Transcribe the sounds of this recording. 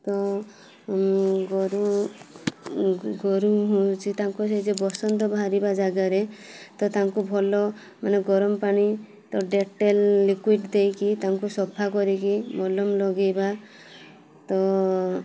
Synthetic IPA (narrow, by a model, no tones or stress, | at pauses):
t̪ɔ | ɡɔɾu | ɡɔɾuɦut͡ʃʰit̪aŋkused͡ʒebɔsɔnd̪ɔbʱaɾibad͡ʒaɡaɾet̪ɔt̪aŋkubʱɔlɔ | maneɡɔɾɔmɔpaɽ̃i | t̪ɔɖeʈelːikwiɖd̪ejkit̪aŋkusɔbʰakɔɾikimɔlɔmlɔɡejba | t̪ɔ